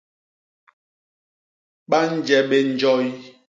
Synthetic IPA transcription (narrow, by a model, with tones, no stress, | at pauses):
ɓa˦n̩˦d͡ʒɛ˨ɓe˨n̩˨˦d͡ʒɔ˦j